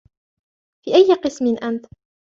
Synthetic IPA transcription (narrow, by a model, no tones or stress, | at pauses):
fiːʔajːɪqɨsmɪnʔant̪